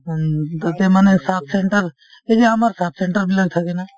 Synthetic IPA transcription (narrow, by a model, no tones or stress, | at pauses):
t̪t̪emanesaːpʰseɳʈəɾ | ed͡ʒeɐməɾsaːpʰsẽɳʈəɾbiləɡ̚t̪ʰəkena